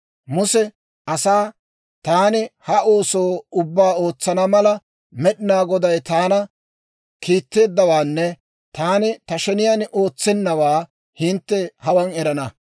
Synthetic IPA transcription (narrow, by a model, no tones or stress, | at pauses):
mʊsɛ | ɐsaː | t̪aːnɪhɐo̞ːso̞ːʊbːaːoːt͡sːɐnɐmɐlɐ | mɛɗɪnaːɡɔd̪ɐjt̪aːnɐ | kiːt̪ːe̞ːd̪ːɐwaːnːɛ | t̪aːnɪt̪ɐʃɛnɪjaːnʔo̞ːt͡sːɛnːɐwaː | hɪnt̪ːɛhɐwɐnɛɾɐnɐ